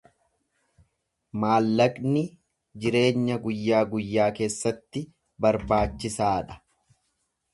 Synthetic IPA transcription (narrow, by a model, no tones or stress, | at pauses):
maːlːɐkʼnɪ | d͡ʒɪɾe̞ːɲːɐɡʊjːaːɡʊjːaːke̞ːsːɐt̪ːɪ | bɐɾbaːt͡ʃːɪsaːᶑɐ̥